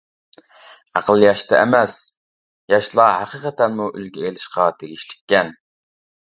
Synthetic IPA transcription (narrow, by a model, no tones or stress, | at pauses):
æ̰qəlˠjɑʃt̪ʰɛɛ̰mɛs | jɑʃlˠɑhæqəqət̪ɛnmuʔylɡʲɛelɪʃqɑt̪ʰeɡʲiʃlɪ̥kʲːɛn